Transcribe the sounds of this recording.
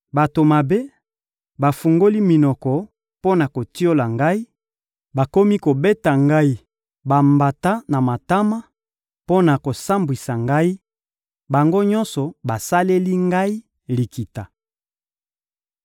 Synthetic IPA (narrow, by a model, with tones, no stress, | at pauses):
ba˨to˨ma˨be˦ | ba˨fu˨ŋɡo˦li˦mi˨nɔ˨kɔ˨ | po˦na˨ko˨ti˦o˦la˨ŋɡa˦i˦ | ba˨ko˦mi˦ko˨be˦ta˨ŋɡa˦i˦ | ba˨mba˨ta˦na˨ma˨ta˦ma˦ | po˦na˨ko˨sa˦mbwi˨sa˨ŋɡa˦i˦ | ba˨ŋɡo˦ɲɔ˦nsɔ˨ba˨sa˦le˦li˦ŋɡa˦i˦ | li˨ki˨ta˨